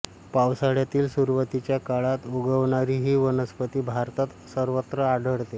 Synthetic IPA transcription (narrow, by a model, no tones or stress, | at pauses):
pawsaɽjat̪iːlsuɾʋət̪it͡ɕjakaɭat̪uɡəʋɳaɾiːɦiːʋənəspət̪iːbʱaɾt̪at̪səɾʋət̪ɾəaɖəɽt̪e